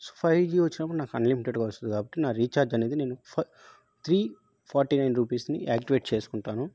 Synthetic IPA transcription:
sopʰɐjd͡ʒiːʋɐt͡ʃːinɐpːuɽunaːkɐnlimiʈeɖɡaːʋɐst̪undikaːbɐʈːinaːɾiːt͡ʃaːɾd͡ʒɐneːd̪ine̞ːnu | t̪ʰɾiː | pʰaːɾʈiːnɐjnɾuːpiːsnḭʔaːk̚ʈiʋeːʈt͡ʃeːsu̥kuɳʈaːnu

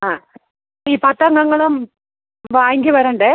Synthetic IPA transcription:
aː | iːpɐt̪ːɐŋɡɐŋːɐɭum | ʋaːjŋɡʲɨʋɐɾɐɳɖe

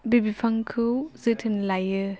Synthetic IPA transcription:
bibipʰaŋkʰɯwzɯtʰɯnlajɯ

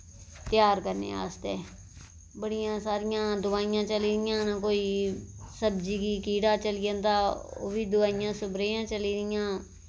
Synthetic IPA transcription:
t̪ɪjaːɾkəɾnḛːa̰ːst̪eː | bəɽɪjãːsaːɾɪjãːd̪ʊʋaːijãːt͡ʃəliːɾɪjãːnakoːiːsəbd͡ʒiːkiːkiːɽaːt͡ʃəlijãnd̪aːo̰ːʋiːd̪ʊʋaːijãːsʊbɾeːjãːt͡ʃəliːɾɪjãː

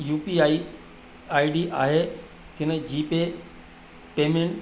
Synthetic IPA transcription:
juːpiaːi | aːiɖiʔaːɦe | kʰɪnəd͡ʑiːpe | peːmẽɳʈ

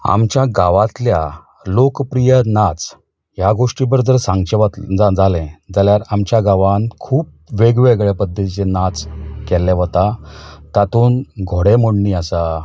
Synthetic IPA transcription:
a̰mt͡ɕjaɡaʋat̪lja | lokpɾijənat͡s | jaɡoʂʈibəɾd͡zəɾsaŋɡt͡ɕ̪d͡zalɛ̃d͡zaljaɾamt͡ɕjaɡaʋankʰuːp̚ʋeɡʋeɡɭɛpəd̪ʱːət̪it͡ɕenat͡skɛlːɛ̃ʋət̪at̪at̪oːnɡʱoɽemoɽɳiəsa

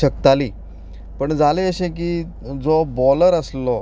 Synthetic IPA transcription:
ək̚t̪aliː | pəɳd͡zaleəɕẽk̬iː | d͡zɔbɔləɾəslɔ

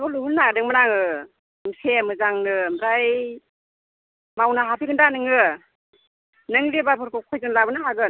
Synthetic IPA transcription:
nɔluhɯlnadɯŋmɯnaŋɯ | msʰemɯzaŋnɯmɾaj | mawnaɦapʰiɡɯndanɯŋɯ | nɯŋlebapʰɯɾkʰɔkʰɔjzɯnlabɯnaɦaɡɯ

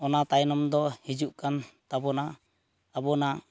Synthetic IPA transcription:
ɔnat̪ajnɔmd̪ɔhid͡ʒuʔkant̪abɔna | abɔna

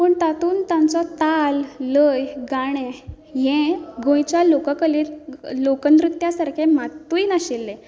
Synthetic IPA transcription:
pəːɳt̪at̪uːnt̪jãnt͡sɔt̪alːəjɡaɽ̃ɛ̃ | ɦɛ̃ɡõjt͡ɕjalokəkəliːllokənd̪ɾit̪ːjasaɾkʰẽmat̪ːuinaɕilːɛ̃

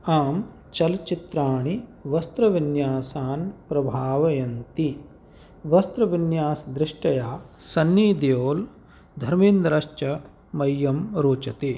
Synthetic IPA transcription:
aːm | t͡ʃɐlt͡ʃit̪ɾaːɳiʋɐst̪ɾɐʋinjaːsaːnpɾɐbʱaːʋɐjɐnt̪i | ʋɐst̪ɾɐʋinjaːsd̪ɾɪʂʈɐjaːsɐnːiːd̪ijoːl | d̪ʱɐɾmind̪ɾɐʃt͡ʃɐ | mɐjːɐmɾoːt͡ʃɐt̪i

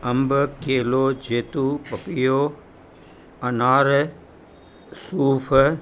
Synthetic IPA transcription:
ɐmbkeːloːd͡ʒeːt̪uːpɐpijoː | ɐnaːɾ | suːfʰ

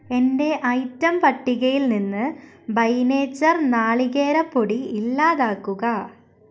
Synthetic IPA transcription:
e̞nde̞ʔɐjtːɐmpɐʈːiɣɐjilninːɨ | bɐjneːt͡ɕːɐrnaːɭiɣeːɾɐpːoɽiilːaːðaːkːuɣɐ

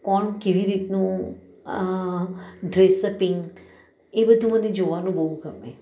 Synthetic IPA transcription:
kɔɳkeʋiɾit̪nũ | ɖɾesəpɪ̃ŋɡ | ebəd̪ʱuməned͡ʒoʋanũbəɦũɡʱəmḛ

